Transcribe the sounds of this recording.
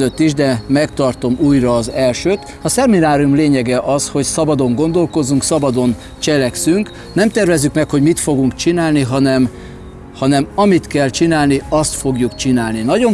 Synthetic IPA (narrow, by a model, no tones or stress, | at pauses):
øt̪ːiʒd̪ɛmɛkt̪ɒrt̪o̞muːjrɒːzɛlʃøːt̪ | ɒsɛminaːɾiumleːɲɛɡɛʔɒsho̞csɒbɒd̪o̞ŋɡo̞nd̪o̞lko̞zːuŋksɒbɒd̪o̞n | t͡ʃɛlɛksyŋk | nɛmt̪ɛrvɛzːykmɛkho̞ɟmit̪fo̞ɡuŋkt͡ʃinaːlniɦɒnɛm | hɒnɛmɒmit̪kɛlt͡ʃinaːlniɒst̪fo̞ɡjukt͡ʃinaːlninɒɟo̞